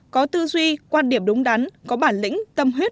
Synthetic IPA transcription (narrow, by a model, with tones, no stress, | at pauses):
kɔ˨˦t̪ɨ˧zwi˧kwaː˧nɗi˧˩əmɗʊ˨˦ŋ͡mɗa˨˦nkɔ˨˦ɓaː˧˩nlḭ̈˧˥ŋ̟t̪ə˧mɦwi˦˥t̚